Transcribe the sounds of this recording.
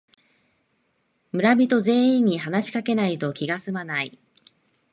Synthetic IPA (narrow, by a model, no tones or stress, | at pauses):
mɯ̟ɾabʲit̪o̞ze̞ːĩɲ̟ːiɦanaɕi̥kake̞nait̪o̞kʲiɡasɨmanai